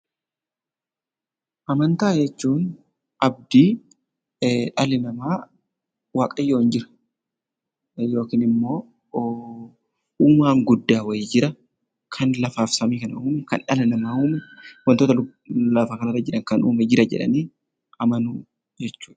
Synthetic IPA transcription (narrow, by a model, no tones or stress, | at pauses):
ʔɐmɐnt̪aːd͡ʒɛt͡ʃːuːn | ʔɐb̚d̪iː | ᶑɐlɪnɐmaː | waːkʼɐjːoːɪnd͡ʒɪɾɐ̥ | jo̞ːkiːnɪmːo̞ː | uːmaːŋɡʊd̪ːaːwɐjɪːd͡ʒɪɾɐ | kʰɐnlɐfaːfsɐmiːkɐnɐʔuːmɛkɐ̰nᶑɐlɪnɐmaːuːmɛwɐnt̪oːt̪ɐ | lɐfaːkɐnɐrːɐd͡ʒɪᶑɐŋkɐnṵːmɛd͡ʒɪɾɐd͡ʒɛ̰ᶑɐ̰niː | ʔɐmɐnuː | d͡ʒɛt͡ʃːuːᶑɐ̥